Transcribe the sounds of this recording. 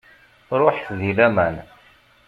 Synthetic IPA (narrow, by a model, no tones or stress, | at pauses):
ɾˤoħθðilæmæn